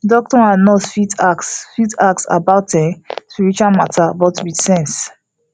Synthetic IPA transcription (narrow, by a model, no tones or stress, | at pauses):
dɔk̚tɔanɔtfitaksfitak̚sa̰baʊtɛ̃spiɹit͡ʃualmatʰabɔtwitsɛ̃ns